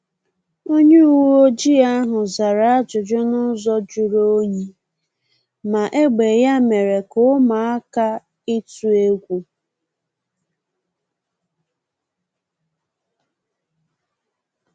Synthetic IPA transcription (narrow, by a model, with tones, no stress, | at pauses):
o˦ɲe˦u˨wu˦o˦d͡ʒi˦a˦ɦʊ˨za˨ɾa˨a˦d͡ʒʊ˨d͡ʒʊ˦nʊ˦zɔ˦d͡ʒu˨ɾo˦ɲi˦ | ma˨ʔe˦ɡ͡be˨ja˦me˨ɾe˨kʊ˦ma˨a˦ka˦ | ɪ˦tu˨e˦kʷu˦